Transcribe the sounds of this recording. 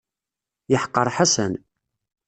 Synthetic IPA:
jəħə̥qːəɾˤħasə̰n

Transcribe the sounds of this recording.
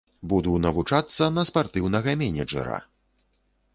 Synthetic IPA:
bud̪unɐvut͡ʂat̪sːɐnɐspart̪ɨwnɐɣɐmʲɛnʲɛd͡ʐɛ̰ɾɐ̰

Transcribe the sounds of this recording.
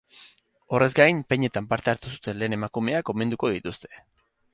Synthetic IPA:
o̞re̞zɡajmpe̞ɲe̞t̪ampaɾt̪e̞aɾt̪usu̥t̪e̞nle̞ːne̞makume̞ako̞me̞nd̪uko̞ðit̪ust̪e̞̥

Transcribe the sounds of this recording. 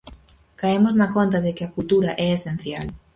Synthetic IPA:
kaemoznɐkont̪aðekɪakult̪uɾaʔɛesẽn̟θjal

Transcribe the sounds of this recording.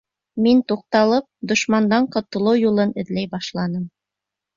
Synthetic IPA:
mint̪uq̚t̪ɑlˠɤp̚d̪ŏʃmɑnd̪ɑɴqŏt̪ɤ̆lˠɤwjulˠɤnɘ̆ðlæjbɑʃlˠɑnɤm

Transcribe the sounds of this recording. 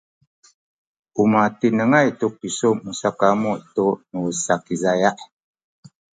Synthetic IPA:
umatinəŋajtuk̚isoʔmusakamuʔtoʔnuəsakizajaʔ

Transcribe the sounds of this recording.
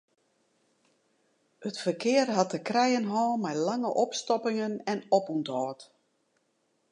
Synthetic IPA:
ətfərkʰɪːərɦatəkrɛjənɦɔːmɛjlaŋəʔɔpstɔpɪŋənɛnopuntɔːt

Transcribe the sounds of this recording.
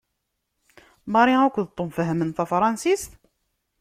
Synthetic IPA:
məɾˤiækʷðt̪ˤːomfəɦəmənθæfɾˤɑnsist̪

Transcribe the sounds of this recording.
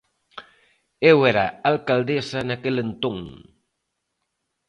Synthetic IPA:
ewɛɾaalkald̪esɐnakelent̪oŋ

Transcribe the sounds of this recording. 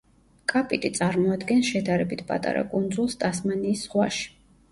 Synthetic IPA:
kʼapʼit̪ʼit̪sʼaɾmɔad̪ɡɛnsʃɛd̪aɾɛbit̪ʰpʼa̰t̪ʼa̰ɾa̰kʼund̪zulˠst̪ʼasmaniːsːχwaʃi̥

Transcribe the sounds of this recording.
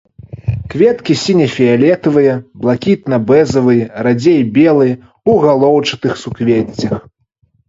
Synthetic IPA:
kvʲɛt̪kʲisʲinʲɛfʲialʲɛt̪ɐvɨjɐblˠakʲit̪nɐbɛzɐvɨjrad͡zʲejbʲɛlˠɨj | uɣalˠɔwt͡ʂɨt̪ɨxsukvʲet͡sʲːɐx

